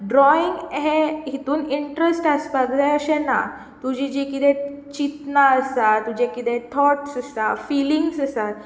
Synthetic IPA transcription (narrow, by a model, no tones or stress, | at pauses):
ɖɾɔiŋɡɦẽɦit̪uːniɳʈɾəsʈəspaɡd̪aəɕɛna̰ | t̪ud͡ʑid͡ʑekid̪ɛ̃t͡ɕit̪naəsat̪ːud͡ʑekid̪ɛt̪ʰɔʈsəsafiliŋɡsəsat̪̚